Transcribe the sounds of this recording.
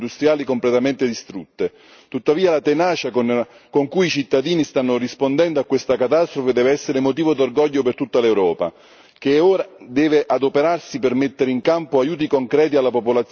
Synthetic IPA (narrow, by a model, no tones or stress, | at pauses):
d̪ust̪ɾjaːlikomplet̪amɛnt̪ed̪ist̪ɾut̪ːe | t̪ut̪ːaviːalat̪enaːt͡ʃakon | koŋkujit͡ʃit̪ːad̪iːnist̪anːorispond̪ɛnd̪oakːwest̪akat̪ast̪ɾofed̪ɛːveɛsːeɾemot̪̬iːvod̪orɡɔʎːopert̪ut̪ːalewɾɔːpa̰ | k̟eɛoːɾad̪ɛːveʔad̪opeɾarsipermet̪ːeɾeiŋkampoajuːt̪̬ikoŋkɾɛːt̪ialːapopolat̪s